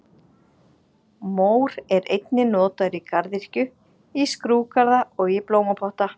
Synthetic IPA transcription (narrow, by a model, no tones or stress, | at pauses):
moːwɾɛɾejt̪nɪnɔːt̪aʏɾikaɾðir̥cʏ | iskɾuːkaɾðaɔɣiploːwmapʰɔht̪a